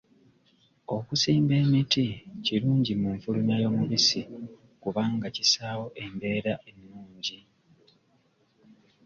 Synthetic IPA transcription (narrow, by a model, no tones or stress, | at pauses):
o̞kusiːmbe̞ːmiticiɾuːɲɟimuɱfulunajo̞ːmuβisi | kuβaːŋɡacisaːwo̞ʔe̞mbe̞ːɾaʔenːuːɲɟi